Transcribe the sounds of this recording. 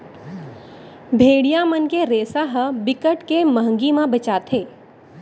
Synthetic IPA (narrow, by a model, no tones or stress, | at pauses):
bʱeːɽijamənkeɾeːsaɦəbɪkəʈkeməɦə̃ŋɡimãbət͡ʃaːt̪ʰeː